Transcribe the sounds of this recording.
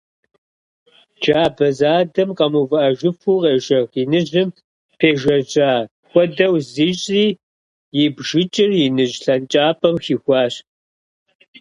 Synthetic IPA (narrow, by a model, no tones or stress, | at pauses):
d͡ʒaːbɐzaːdɐmqʼɐmuvɐʔɐʒɨfuːqʼeːʒɐɣinɨʑɪm | pʰeːʒɐʒʼaː | xʷɔdɐwziːɕʼiː | jɪbʒɪt͡ʃʼɪrjɪnɨʒɬɐnt͡ʃʼaːpʰʼɐmxiːxʷɑːɕ